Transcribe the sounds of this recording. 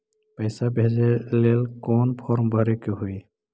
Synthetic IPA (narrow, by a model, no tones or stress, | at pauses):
pəjsabʱezɛlelkɔnpʰɔɾmbʱʌɾekuɦuj